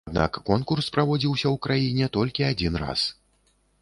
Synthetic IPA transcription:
d̪na̰kːɔnkurspɾavɔd͡zʲiwsʲɐwkɾajinʲɛt̪ɔlʲkʲiad͡zʲinra̰s

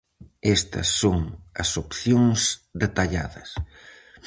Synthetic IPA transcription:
est̪ɐ̰sːoŋɐsopθjoŋsd̪et̪aʎa̰ðɐs

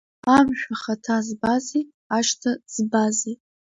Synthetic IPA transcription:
amʃᶣaχatʰazbazi | aʃtʰaz̥bazi

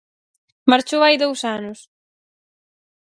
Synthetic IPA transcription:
maɾt͡ʃowajðowsanʊs

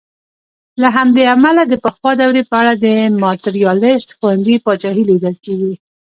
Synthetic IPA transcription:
laɦamd̪eamalad̪əpəxwɑd̪awɾepəaɽad̪əmɑt̪ɪɾijɑlɪst̪xuwanzipɑt͡ʃɑɦilid̪əlkeɡi

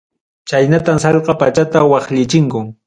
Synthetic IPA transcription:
t͡ʃajnat̪amsɑʎqɑpat͡ʃat̪awɑχʎɪt͡ʃɪŋkʊŋ

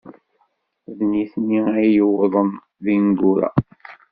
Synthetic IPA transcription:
ðniθniæjəwðˤən | ðinɡuɾa̰

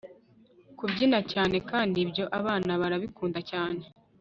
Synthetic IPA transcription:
kubɟinacaːne̞kaːndibɟo̞ʔaβaːnaβaɾaβikuːndacaːne̞

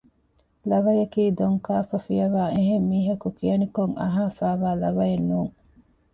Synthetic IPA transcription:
lɐʋɐjɐkiːd̪oŋkaːfɐfijɐʋaːʔeɦemːiːɦɐkukijɐnikoŋɐ̰ɦaːfaːʋaːlɐʋɐjenːuːŋ

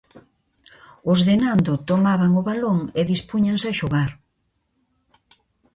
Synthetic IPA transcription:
ʊzðenand̪ʊt̪omaβaŋʊβaloŋeðispuɲaŋsaʃoɣaɾ

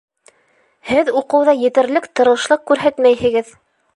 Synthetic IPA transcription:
hɘðuqɤ̆wðɑjɘ̆t̪ɘ̆ɾlɘkt̪ɤ̆ɾɤ̆ʃlˠɤq̚kʉɾɦæt̪mæjɦɘ̆ɡɘð

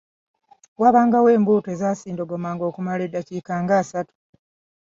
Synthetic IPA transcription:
waβaːŋɡawe̞ːmbuːte̞ːzaːsiːndoɡo̞maːŋɡo̞ːkumaledːaciːkaːŋɡaːsatu̥

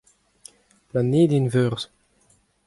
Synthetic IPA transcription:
planeːd̪invøʁz̥

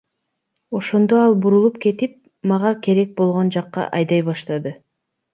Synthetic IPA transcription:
o̞ʃo̞nd̪o̞ɑlˠbuɾulˠup̚ke̞t̪ip̚ | mɑʁɑke̞ɾe̞k̚bo̞lˠʁo̞nd͡ʒɑqːɑ̰ʔɑjd̪ɑjβɑʃt̪ɑd̪ɯ

